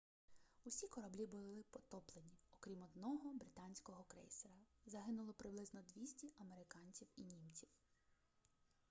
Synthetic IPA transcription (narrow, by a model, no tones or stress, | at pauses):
usʲikɔɾɐblʲibʊlˠɪpɔt̪ɔplˠenʲiɔkɾʲimɔd̪nɔɦɔbɾɪt̪ɑnʲsʲkɔɦɔkɾɛ̰jseɾɐzɐɦɪnʊlˠɔpɾɪblˠɪznɔd̪ʲʋʲisʲtʲɛʔɐmeɾɪkɑnʲt͡sʲiwinʲimt͡sʲiw